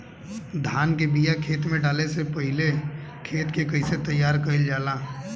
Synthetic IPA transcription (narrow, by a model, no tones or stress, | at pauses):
d̪ʱaːnkebijakʰeːt̪mẽɖaːlesepəɦɪle | kʰeːt̪kekəɪset̪əjːaːɾkəɪld͡ʒaːlaː